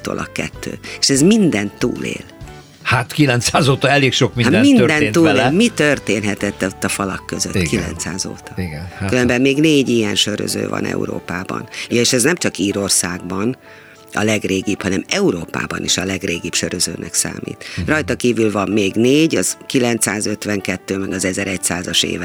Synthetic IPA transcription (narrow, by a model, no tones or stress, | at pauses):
t̪o̰ːlʔɒkːɛ̰t̪ːø̰ːeʃɛzmind̪ɛnt̪ːṵːlḛːl | hat̪kilɛnt̪saːzoːt̪ɒɛleːkʃokmimind̪ɛnt̪ːuːleːlmit̪ørt̪eːnɦɛt̪ɛt̪ːot̪ːɒfɒlɒkːøzø̰t̪ːkilɛ̰nt̪saːzo̰ːt̪ɒɡkyɾømbɛmːeːɡneːɟijɛnʃø̞ɾø̰zø̰ːvɒ̰nɛ̰ṵɾo̰ːpaːbɒ̰nːʃɛznɛmt͡ʃɒkiːɾorsaːɡbɒn | ɒ̰lɛɡreːɡibhɒnɛmɛuɾoːpa̰ːbɒniʃɒlɛɡreːɡipʃøɾøzø̰ːnʔɛ̰ksa̰ːmḭːt̪rɒjt̪ɒkiːvylvɒmːeːɡneːɟɒzkilɛnt̪saːzø̞t̪ʋɛŋkɛt̪ːøːmɛɡɒzɛzɛɾɛcsaːzɒʃḛːvɛ